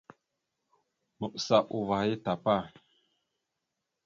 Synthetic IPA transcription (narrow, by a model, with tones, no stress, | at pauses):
mə˨ʔsa˦˨ʔṵ˨va˨˦ji˦ta˨pa˦˨